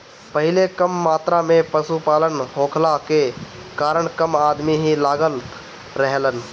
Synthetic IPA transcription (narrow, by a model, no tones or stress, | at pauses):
pəɦɪlekəmːaːt̪ɾamẽpəsupaːlənɦõːkʰlakekaːɾəɳkəmaːd̪miɦilaːɡəl | ɾəɦlən